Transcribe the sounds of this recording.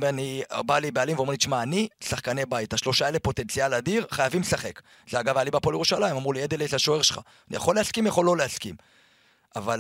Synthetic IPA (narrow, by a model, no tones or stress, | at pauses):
anibalibealimveoelit͡ʃmaːnisaχkanebaitaʃlo̞ʃaelepo̞t̪e̞nt͡sialad̪iʁχajavimlesaχek | zeaɡavalibapoljeʁuʃalaimamʁulied̪elezeaʃo̞eʁʃelχa̰ | nḭja̰χo̞leaskimjaχo̞lːo̞leaskim | aval